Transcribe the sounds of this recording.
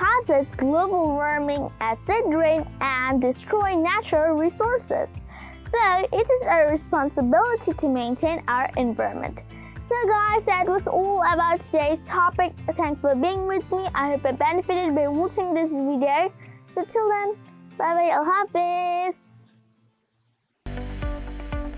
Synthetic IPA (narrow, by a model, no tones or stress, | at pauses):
hasɛsɡ̥loʊbl̩ˠɹɜ̃˞mɪ̃ŋɨsɪdɹɪ̃ŋʔə̃ndɨstɹ̥ɔɪɪ̃næt͡ʃɹl̩ˠɹisɔɹsɪ̰z̥ | soʊʔɪɾɨzəɹɨspɑ̃nsəbɪlˠəɾiɾʰɨmẽɪ̃ntʰẽɪ̃naʊə˞ʔɨ̃ɱvaɹə̰̃mɨ̰̃nt | soʊɡaɪsɛd̚wʌzɔlˠəbaʊtʰədeɪz̥tʰɑpɪk̚θæ̃ŋksfə˞biɪ̃ŋwɪðmiʔa̰ɪhəv̚bɨ̃nbɛnɨfɨɾɨd̚baɪwɔtɪ̃ŋðɪs̬vidioʊsoʊtʰɪlˠðə̃mb̥aɪbaɪəlˠɦavðɪs